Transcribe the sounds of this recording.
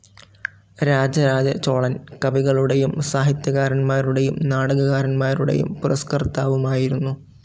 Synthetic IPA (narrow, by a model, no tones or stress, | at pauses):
ɾaːd͡ʑɐɾaːd͡ʑɐt͡ɕo̞ːɭɐnkɐbiɣɐɭuɽe̞jumsaːɦit̪jɐɣaːɾɐnmaːɾuɽe̞jumnaːɽɐɣɐɣaːɾɐnmaːɾuɽe̞̰jṵmpuɾɐskɐrt̪ːaːʋumaːjiɾunːu